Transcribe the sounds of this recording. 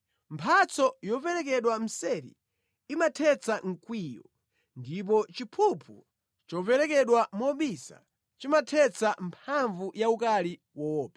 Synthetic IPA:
mpʰat͡sɔjɔpɛɾɛk̬ɛɗwam̩sɛɾḭː | matʰɛt͡saŋ̩kwiːjɔ | ndip̬ɔt͡ʃipʰupʰṵ | t͡ʃɔpɛɾɛkɛɗwamɔɓisa̰ | t͡ʃimatʰɛt͡sampʰaɱvujaukali | wɔːpʰɛ

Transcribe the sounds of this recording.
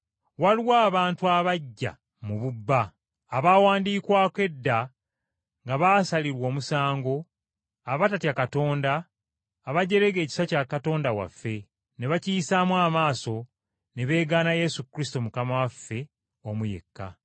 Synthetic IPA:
waliwaːβaːntuaβaɟːa̰ | muβubːaː | βaːwaːndiːkwaːkwe̞dːa | ŋɡaβaːsaliɾwo̞ːmusaːŋɡo̞ | aβatatjakato̞ːndaː | βaɟe̞ɾe̞ɡe̞ːci̥sacakato̞ːndawa̰fːe̞ | ne̞βacijisamwaːmaːso̞ | ne̞βe̞ːɡaːnaje̞sukɾisi̥to̞mukamawafːe̞ | omuje̞̰kːa̰

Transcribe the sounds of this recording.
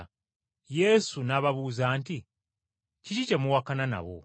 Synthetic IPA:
je̞sunaβaβuːzaːnti | cicicemuwakanana̰βo̰

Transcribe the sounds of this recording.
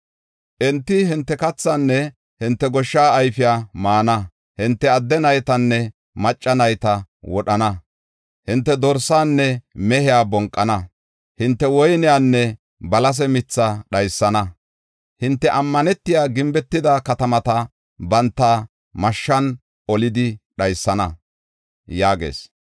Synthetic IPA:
ʔɛnt̪ːɪɦɪnt̪ːɛkɐt͡sːanːɛ | hɪnt̪ːɛɡɔʃːaːjfɪjaːmaːnɐ | hɪnt̪ːɛɐd̪ːɛnɐjt̪ɐnːɛ | mɐt͡ʃʼːɐnɐjt̪ɐwɔɗɐnɐ | hɪnt̪ːɛd̪ɔɾsaːnːɛmɛhɪjaːbɔŋkʼːɐnɐ | hɪnt̪ːɛwɔjnɪjaːnːɛ | bɐlɐs̬ɛmɪt͡sːaɗɐjsːɐnɐ | hɪnt̪ːɛʔɐmːɐnɛt̪ːɪjaːɡɪmbɛt̪ːɪd̪ɐkɐt̪ɐmɐt̪ɐ | bɐnt̪ːaː | mɐʃːɐn | ɔlɪd̪ɪɗɐjsːɐnɐ | jaːɡḛːs

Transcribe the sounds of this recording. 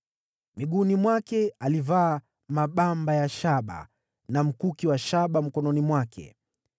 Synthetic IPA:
miɠunimwakɛalivaː | maɓambajaʃaɓa̰ | nam̩kukiwaʃaɓam̩kɔnɔnimwakʰɛ̰

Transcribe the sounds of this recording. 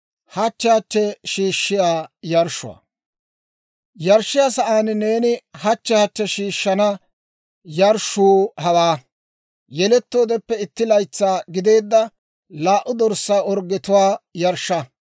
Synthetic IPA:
hɐt͡ʃːɛhɐt͡ʃːɛʃiːʃːɪjaːjɐɾʃʊa̰ | jɐɾʃɪjaːsɐʔaːnne̞ːnɪhɐt͡ʃːɛhɐt͡ʃːɛʃiːʃːɐnɐ | jɐɾʃuːhɐwaː | jɛlɛt̪ːo̞ːd̪ɛpːɛɪt̪ːɪlɐjt͡sːaːɡɪd̪e̞ːd̪ːɐ | laːʔʊd̪ɔɾsaːɔɾɡːɪt̪ʊwaːjɐɾʃːɐ

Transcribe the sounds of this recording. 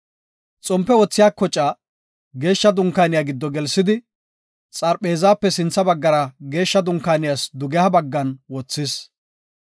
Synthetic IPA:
t͡sʼɔmpːɛwɔt͡sːɪjaːkɔt͡ʃʼːa | ɡe̞ːʃːɐd̪ʊŋkːaːnɪjaːɡɪd̪ːɔɡɛlsɪd̪ɪ | t͡sʼɐɾpʼe̞ːzaːpːɛsɪnt͡sːɐbɐɡːɐɾɐɡe̞ːʃːɐd̪ʊŋkaːnɪjasd̪ʊɡɛhɐbɐɡːɐnwɔt͡sːɪs

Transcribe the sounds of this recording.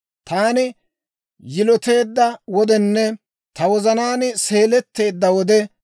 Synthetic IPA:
t̪aːnɪ | jɪlɔt̪e̞ːd̪ːɐwɔd̪ɛnːɛ | t̪ɐwɔzɐnaːnse̞ːlɛt̪ːe̞ːd̪ːɐwɔd̪ɛ

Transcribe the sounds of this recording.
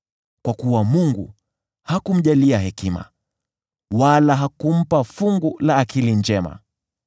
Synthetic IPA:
kwakuwamuŋɡu | hakum̩ʄaliaɦɛkima̰ | walaɦakum̩pafuŋɡulaːkilind͡ʒɛma̰

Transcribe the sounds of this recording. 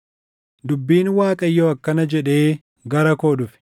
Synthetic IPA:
d̪ʊbːiːnwaːkʼɐjːoɐkːɐnɐd͡ʒɛᶑe̞ː | ɡɐɾɐkoːdʊfɪ̥

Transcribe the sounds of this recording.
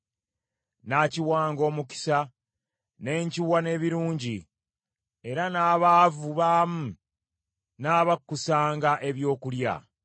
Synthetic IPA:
naciwaːŋɡo̞ːmuki̥sa | ne̞ːɲciwane̞ːβiɾuːɲɟi | e̞ɾanaːβaːvuβaːmu | naːβakːusaːŋɡaʔe̞βjo̞ːkulja̰

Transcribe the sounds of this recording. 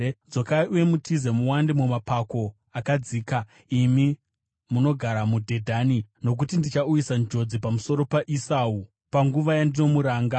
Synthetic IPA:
d͡zokauwe̞mutʰizemuwandemumapako̞ | akad͡ziːka | imi | muno̞ɡʱaɾamudʱe̞dʱanino̞k̬utindit͡ʃaujisand͡ʒo̞d͡zipamuso̞ɾo̞paʔisaːu | paŋɡuʋajandino̞muɾaːŋɡa

